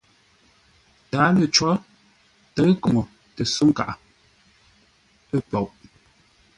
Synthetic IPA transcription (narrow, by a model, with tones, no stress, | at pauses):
taː˨˦lə˨t͡ʃɔ˦ | tə˨˦ɣə˦kɔ˨ŋo˨ | tə˨su˦ŋ˦ka̰˨ʔa˨ | ə˦pɔ˨wʔ